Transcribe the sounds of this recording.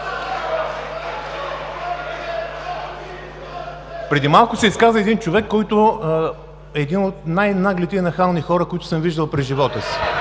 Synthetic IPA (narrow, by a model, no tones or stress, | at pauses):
pɾɛd̪imalˠkʊsɛiskazvəɛd̪int͡ʃovɛkːɔjt̪ʊ | ɛːd̪inot̪najnaɡlɛt̪inɐxalˠnixɔɾəkoit̪ʊ̥səmviʒd̪əlˠpɾɛʒivɔt̪əsi̥